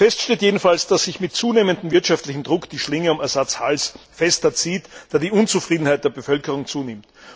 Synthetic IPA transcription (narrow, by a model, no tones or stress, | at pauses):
fɛstʃteːtjeːdn̩falsd̥asz̥ɪçmɪtt͡suːneːməndn̩m̩vɪɐtʃaftlɪçm̩dʁʊkd̥iːʃlɪŋəʊmɛɐzat͡shalsfɛstɐt͡siːtd̥aːdiːʔʊnt͡sufʁ̥iːdn̩haɪt̚d̥eːɐbəfœlkəʁʊŋt͡suːnɪmt